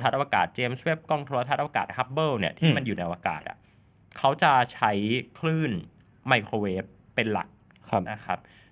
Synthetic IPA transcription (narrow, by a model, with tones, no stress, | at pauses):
t̪ʰa˦˥ʔa˧a˧ka̰ː˨˩t̪̚t͡ɕeː˧mswe˦˥p̚kɔ˥˩ŋt̪ʰo˧a˧t̪ʰa˦˥t̪̚ʔka̰ː˨˩t̪̚ha˦˥p̚bɤː˥˩ni˥˩ɐt̪ʰiː˥˩ma˧njuː˨˩na˧jwaː˧ka̰ː˨˩t̪̚a̰˩ | kʰa˦˥wt͡ɕa˨˩t͡ɕʰa˦˥jkʰlɯː˥˩n | ma˧˩jkʰoː˧weː˦˥pːe˧nla̰˨˩k̚ʰ | na˦˥kʰa˦˥p̚